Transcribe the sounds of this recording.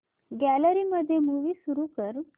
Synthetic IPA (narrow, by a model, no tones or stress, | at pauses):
ɡæləɾiːməd̪ʱːjemuʋiːsuɾuːkəɾ